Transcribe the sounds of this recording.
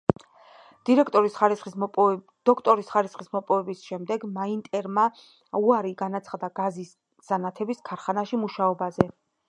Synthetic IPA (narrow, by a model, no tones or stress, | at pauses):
d̪̥iɾɛkʰt̪ʼɔɾisχaɾisχʼ | d̪̥ɔkʰt̪ʼɔɾisχaɾisχismɔpʼɔvɛbisʃɛmd̪ɛɡmaint̪ʼɛɾma | uaɾiɡanat̪sʰχad̪aɡazis | z̥anat̪ʰɛbiskʰaɾχanaʃimuʃaɔbazɛ